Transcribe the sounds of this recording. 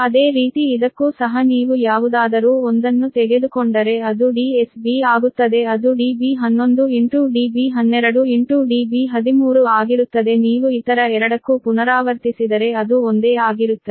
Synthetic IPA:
ɐd̪e̞ːɾiːt̪iːd̪ɐkːusɐɦɐniːʋujaːʋud̪aːd̪ɐɾuːond̪ɐnːut̪ɛɡe̞d̪ukoɳɖɐɾe̞ɐd̪uɖiːesbiaːɡut̪ːɐd̪e̞ɐd̪uɖiːbiːɦɐnːo̞nd̪ueɳʈuɖiːbiːɦɐnːɛɾɐɽuiɳʈuɖibiːɦɐd̪imuːɾuaːɡiɾut̪ːɐd̪e̞niːʋuit̪ɐɾɐɛɾɐɽɐkːupunɐɾaːʋɐɾt̪isid̪ɐɾe̞ɐd̪uond̪eːaːɡiɾut̪ːɐ

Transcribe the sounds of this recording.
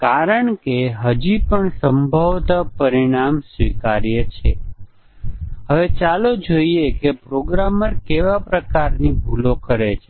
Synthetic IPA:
kaɾəɳkeɦəd͡ʒipəɳsəmbʱəʋt̪apəɾiɽ̃amsʋikaɾjət͡ʃʰe | ɦəʋet͡ʃalod͡ʒoiekepɾoɡɾaməɾkeʋapɾəkaɾnibʱulokəɾet͡ʃʰe

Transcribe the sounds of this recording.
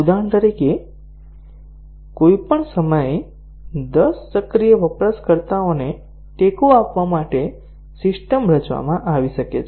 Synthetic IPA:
ud̪aɳt̪əɾike | koipəɳsəməje | d̪əsːəkɾijəʋəpɾəskəɾt̪aone | ʈekoapʋamaʈe | sɪsʈəmbʱɾət͡ʃʋa̰mãʔaʋiʃəkḛt͡ʃʰ

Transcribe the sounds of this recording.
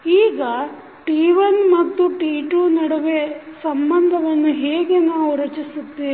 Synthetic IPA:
iːɡɐ | ʈiːʋɐnmɐt̪ːuʈiːʈuːnɐɽɐʋesɐmbɐnd̪ʱɐʋɐnːuɦeːɡenaʋuɾɐt͡ʃisut̪ːe

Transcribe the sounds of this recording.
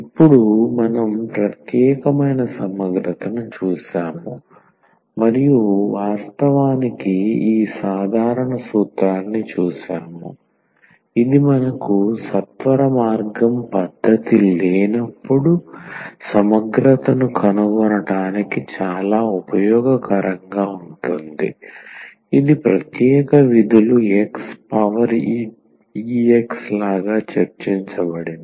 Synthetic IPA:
ipːuɽumɐnɐmpɾɐt̪jɛːkɐmɐjnɐsɐmɐɡɾɐt̪ɐnut͡ʃuːsaːmu | mɐɾijuʋaːst̪ɐʋaːnikiiːsaːd̪ʱaːɾɐɳɐsuːt̪ɾaːnːit͡ʃuːʃa̰ːmṵ | id̪imɐnɐkusɐt̪ʋɐɾɐmaːɾɡɐmpɐd̪ʱːɐt̪ileːnɐpːuɽusɐmɐɡɾɐt̪ɐnukʰɐnuɡɔɾɐʈaːnikit͡ʃaːlaːupɐjɔːɡɐkɐɾɐŋɡaːuɳʈund̪ḭ | id̪ipɾɐt̪jɛːkɐʋid̪ʱuluekspɐʋɐɾ | iːekslaːɡaːt͡ʃɐɾt͡ʃiɲt͡ʃɐbɐɽin

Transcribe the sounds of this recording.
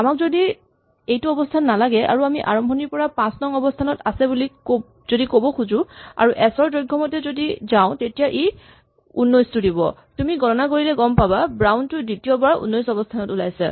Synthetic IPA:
amakzodi | ejtuɔbɔstʰanːalaɡɛʔa̰ɹuamiʔa̰ɹɔmbʱɔniɹpɔɹapãsnɔŋɔbɔstʰanɔtasɛbulik | z̥odikobɔkʰuzʊ̃a̰ɹuʔɛsɔɹdojɡʱːɔmɔtɛzodizaʊ̃tetijaʔi | ṵnːɔjstudibɔ̰ | tumiɡɔnɔnakoɹilɛɡɔmpababɹawntʊditiɔbaɹṵnːɔjsɔbɔstʰanɔtulajsa̰

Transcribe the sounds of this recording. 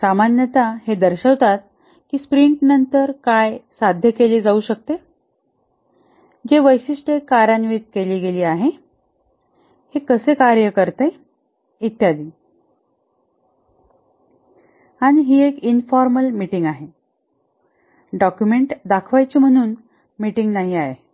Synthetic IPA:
samanjət̪aɦed̪əɾɕəʋt̪at̪̚ | kiːspɾiɳʈnənt̪əɾkajsad̪ʱjəkeliːd͡zauɕək̚t̪e | d͡ʑeʋəjsiʂʈekaɾanʋit̪̚keliːɡeliːaɦe | hekəsekaɾjəkəɾt̪e | it̪jad̪iː | aɽ̃iɦiːekinfɔɾməlmiʈiŋɡaɦe | ɖɔkjumeɳʈd̪akʰʋajt͡ɕiːm̤əɽ̃uːn | miʈiŋɡnaɦiae

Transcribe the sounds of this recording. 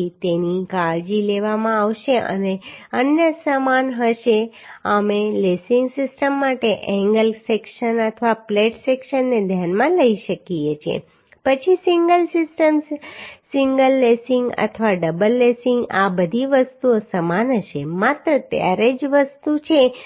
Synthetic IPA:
it̪enikaɭd͡ʒileʋamãaʋʃeʔə̰neənjəsəmanɦəʃeəmelesiŋɡsɪsʈəmːaʈeʔɛ̃ŋɡəlsekʃənət̪ʰəʋapleʈsekʃənːed̪ʱjanmãləiʃəkiet͡ʃʰḛ | pət͡ʃʰisiŋɡəlsɪsʈəmsiŋɡəlːesɪŋɡə̰t̪ʰʋaɖəbəlːesiŋɡabəd̪ʱiʋəst̪uosəmanɦəʃemat̪ɾət̪ja̰ɾed͡ʒʋəst̪ut͡ʃʰe

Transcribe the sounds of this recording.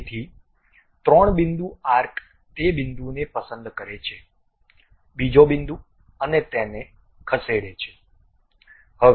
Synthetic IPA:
t̪ʰi | t̪ɾəɳbɪnd̪uaɾkʰ | t̪ebɪnd̪unepəsənd̪kəɾet͡ʃʰe | bid͡ʒobɪnd̪u | ənet̪ene | kʰəseɽet͡ʃʰe̥ | hə

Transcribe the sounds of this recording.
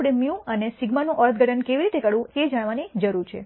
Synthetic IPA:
ɽemjũənesiɡmanũʔɔɭət̪̚ʰɡəʈʰənkeʋiɾit̪ekəɽũed͡ʒaɽ̃ʋanid͡ʒəɾuɾt͡ʃʰḛ

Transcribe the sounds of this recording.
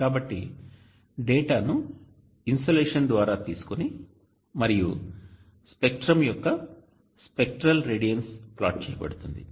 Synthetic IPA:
kaːbɐʈːḭ | ɖeːʈaːnu | insʈɐleːʂɐnd̪ʋaːɾaːt̪iːsu̥koni | mɐɾijṵ | spekʈɾɐmjɔkːɐ | spek̚ʈɾɐlɾeːɖijɐnspla̰ːʈ̚t͡ʃɛːjɐpɐ̰ɽut̪und̪ḭ

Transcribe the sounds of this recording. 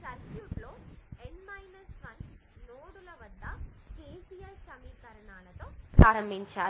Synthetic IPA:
sɐɾkjuːʈloːeɳmɐjnɐskɐnnoːɽulɐʋɐd̪ːɐkeːsijaːɾsɐmiːkɐɾɐnaːlɐt̪oːpɾaːɾɐmbʱiɲt͡ʃaːɾ

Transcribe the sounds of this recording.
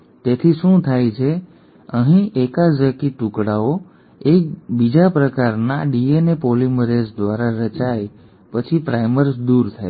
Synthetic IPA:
t̪et̪ʰiʃũt̪ʰajt͡ʃʰe | əɦĩekad͡ʒəkiʈũkɽao | ek̚bid͡ʒapɾəkaɾnaɖienepoliməɾesd̪ʋaɾaɾət͡ʃaj | pət͡ʃʰipɾajməɾsd̪uɾt̪ʰaj

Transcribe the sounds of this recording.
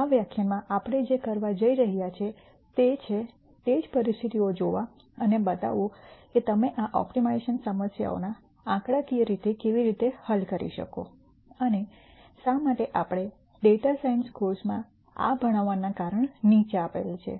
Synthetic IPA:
aʋjakʰjamãʔapɽ̃ed͡ʒekəɾʋad͡ʒəiɾəɦjat͡ʃʰe | t̪et͡ʃʰe | t̪ed͡ʒpəɾist̪ʰit̪iod͡ʒoʋa | ənebət̪a̰ʋoket̪əmeʔaʔɔ̰pʈimaiʃənsəməsja̰o̰na | ãkɽakiɾit̪ekeʋiɾit̪ehəlkəɾḭʃə̰ko̰ | əne | ʃamaʈeʔapɽ̃e | ɖeʈasainskoɾsmã | a̰bʱəɽ̃aʋːanakaɾəɳnit͡ʃapḛlt͡ʃʰḛ

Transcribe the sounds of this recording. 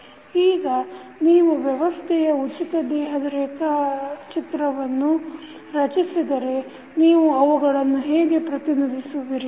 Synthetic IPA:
iːɡɐniːʋuʋjɛʋɐst̪ʰɛjɐut͡ʃit̪ɐd̪ɛːɦɐd̪ɐɾɛːk̪ɐt͡ʃit̪ɾɐʋɐnːu | ɾɐt͡ʃisid̪ɐɾe̞ | niːʋuɐʋuɡɐɭɐnːuɦeːɡe̞pɾɐt̪inid̪ʱisuʋiɾi

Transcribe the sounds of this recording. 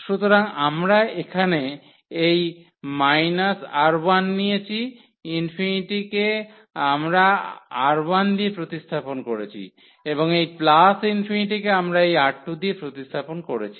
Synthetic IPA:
ʃut̪oɾaŋamɾaekʰane | ej | majnasaɾbanːijet͡ɕʰi | infiniʈike | amɾaaɾband̪iepɾot̪ist̪ʰaponkoɾet͡ɕʰḭ | eboŋejplasinfiniʈikeamɾaejaʈːud̪iepɾot̪ist̪ʰaponkoɾet͡ɕʰi

